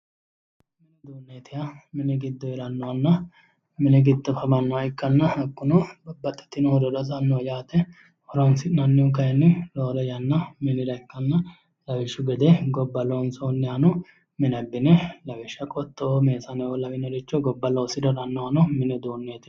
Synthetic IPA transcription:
mɪnɪd̪uːnːeːt̪ʰɪjɐmɪnɪɡɪd̪ːɔjɛɾɐnːɔwɐnːɐ | mɪnɛɡɪd̪ːɔfɐbɐnːɔwɐɪkʼːɐnːɐɐkʼːʊnɔbɐbːɐt̪ʼːɛ̥t̪ːɪnɔhɔd̪ɔdɐsɐnːɔjaːt̪ɛ | hɔɾɔnsɪnɐnːɪʊkɐjɛnːɪloːlɔjɐnːɐmɪnɪɾɐɪkːɐnːɐ | lɐwɛʃʊɡɛd̪ɛɡɔbːɐlonsoːnːɪɐnɔ | mɪnɐbːɪnɛlɐwɛʃːɐkʼɔt̪ːɔme̞ːsɐnɛɔlɐwɪnɔɾɪt͡ʃːɔɡɔbːɐloːsɪd̪ɔɾɐnːɔwɐnɔmɪnɛd̪uːnːeːt̪ɪ

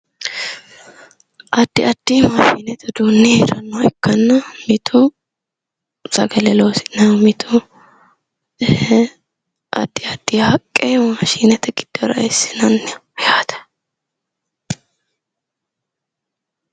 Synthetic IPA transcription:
ʔɐd̪̥ːɪɐd̪̥ːiːmɐːʃiːnɛt̪ɛd̪uːnːiheɾɐnːɐwɛkːɐnːɐmɪt̪ʰʊ | sɐɡɐlɛloːsɪ̥nɐmɪt̪ʰʊ | ʔɐ̰d̪̥ːɪɐd̪̥ːihɐkʼːemaʃiːnɛt̪ɛɡɪd̪̥ːɔɾɐ̰ɛsːɪ̥nɐnːɛjaːt̪ɛ̥

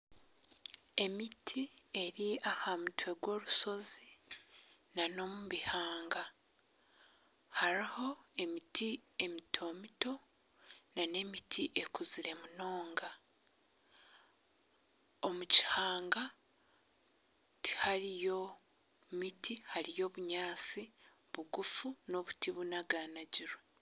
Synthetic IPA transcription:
e̞mitʰie̞ɾiahamutwe̞ɡwo̞ːɾuso̞zi | nano̞muβihaːŋɡa | haɾiho̞e̞mitʰie̞mitʰo̞ːmito̞ | nane̞mitʰiʔe̞kuziɾe̞muno̞ːŋɡa | omuci̥haːŋɡa | ti̥haɾijo̞ | mitihaɾijo̞βuɲaːt͡si | βuɡufuno̞βutiβunaɡaːnaɟiɾwe

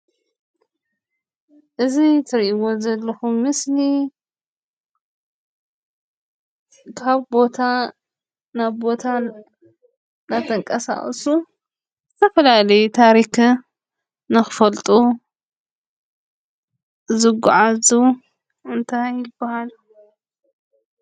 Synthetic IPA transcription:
ʔɨzit̪ʰɨɾʔiwo̞zɐlːɐxumːɨsli | kʰaβbo̞t̪ʰa | naβbo̞t̪ʰa | nat̪ʰɐŋkʼɐsa̰χʼsu | zɨt̪ʰɐfɐlalɐjut̪ʰaɾik | nɨxɨfɐlt̪ʼu | zɨɡʊʕazu | ɨnt̪ʰajːɪbːahal

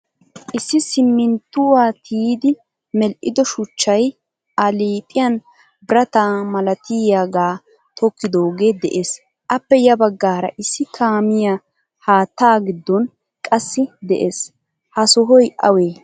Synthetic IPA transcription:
ʔɪsːɪsɪmːɪnt̪ːʊwaːt̪ʰiːd̪ɪ | mɛlʔɪd̪ɔʃʊt͡ʃːɐj | ɐliːpʼɪjɐn | bɪɾɐt̪aːmɐlɐt̪iːjaɡaː | t̪ʰɔkːɪd̪oːɡe̞ːd̪ɛʔe̞ːs | ʔɐpːɛjɐbɐɡːaːɾɐ̰ʔɪsːɪkʰaːmɪja | haːt̪ːaːɡɪd̪ːɔn | kʼɐsːɪd̪ɛʔe̞ːs | hɐsɔɦɔjʔɐ̰weː

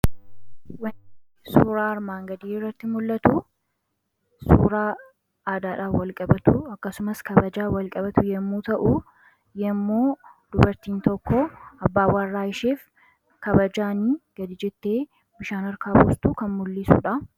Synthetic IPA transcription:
wɐ | suːɾaːɐɾmaːŋɡɐd̪iːɪrːɐt̪ːɪmʊlːɐt̪u | suːɾaː | aːd̪aːᶑaːfwɐlkʼɐbɐt̪uɐkːɐsʊmɐskɐbɐd͡ʒaːwɐlkʼɐbɐt̪ʊjɛmːuːt̪ɐʔu | jɛmːoːd̪̥ʊbɐɾt̪iːnt̪ɔkːɔɐbːaːwarːaːɪʃeːf | kɐbɐd͡ʒaːniːɡ̥ɐd̪ɪd͡ʒɛt̪ːe̞ː | bɪʃaːnɐɾkaːbṵːst̪ukɐnmʊlːɪsṵːᶑɐ

